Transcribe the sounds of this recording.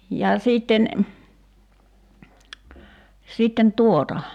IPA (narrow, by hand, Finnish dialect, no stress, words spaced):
jɑ siːtːen sitːen tuotɑ